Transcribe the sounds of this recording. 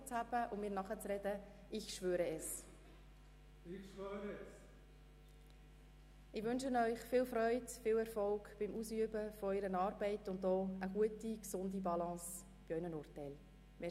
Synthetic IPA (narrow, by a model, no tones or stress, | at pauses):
t͡shæb̥əʔʊmmɪːɾnɑχət͡srɛd̥ə | ɪçʃʋøːɾəɛs | iʃvøːɾə | ɪʋʏnʃənœʏχfɪːlfɾœʏdfɪːlɛɾfɔlkb̥ɪmuːsyəbəfɔœɪɾənɑːɾbɛɪtʊndɔːəɡ̥uətiksʊndibɑlɑ̃ːs | b̥iœʏnənʊːrtɛɪl | mɪ